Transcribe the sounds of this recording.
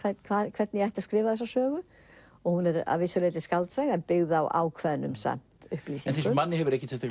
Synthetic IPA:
kʰvɛtkʰvaːkʰvɛɾt̪nɪjajht̪askɾɪːvaðɛs̬asœːɣʏ | ɔɣhunɛɾa̰vɪsʏlejt̪ɪskalt̪sɛɣɛnpɪɣðawʔa̰ːwkʰvɛnːʏmsa̰m̥t̪ʏhpliːsinŋθeskʏmanːɪhɦɛvʏɾɛhcɪt̪ʰɪht̪a

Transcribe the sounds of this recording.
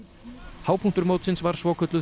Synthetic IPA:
haːwpʰuŋ̥t̪ʏɾmowt̪sɪnsvaɾ̥svɔːkʰʏt̪lʏ

